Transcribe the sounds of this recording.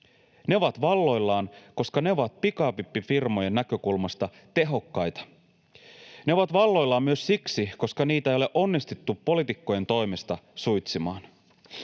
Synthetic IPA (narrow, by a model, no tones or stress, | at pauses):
ne̞o̞ʋɑt̪ʋɑlːo̞jlːɑːnko̞skɑne̞oʋɑt̪̚pikɑːpipːifirmo̞je̞nːækø̞kulmɑst̪ɑ | t̪e̞ɦo̞kːɑjt̪ɑ̥ | ne̞o̞ʋɑt̪ʋɑlːo̞jlːɑːmmyø̞ssiksiko̞skɑniːt̪æejole̞ʔo̞nːist̪et̪ːupːo̞lit̪ikːo̞je̞nt̪o̞jme̞st̪ɑsujt̪simɑːn